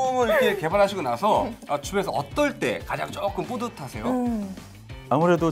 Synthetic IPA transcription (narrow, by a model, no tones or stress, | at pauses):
mɯɾikʰe̞ke̞baɾɦaɕʰiɡonasʰʌat͡ɕume̞sʰʌ̰ʌ̰t͈ʌɭt͈e̞̰kad͡ʑa̰ŋt͡ɕ͈ok͈ɯmp͈odɯtʰasʰe̞jo | amuɾe̞do